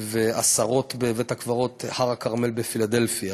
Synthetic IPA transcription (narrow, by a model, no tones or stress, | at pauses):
veasaʁo̞t̪bevet̪hakvaʁo̞t̪haʁakaʁme̞lbefilad̪e̞lfia